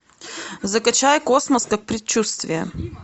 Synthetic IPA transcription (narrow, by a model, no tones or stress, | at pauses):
zɐkɐt͡ɕajkosməskak̚pɾʲɪt͡ɕːust̪vʲɪjə̰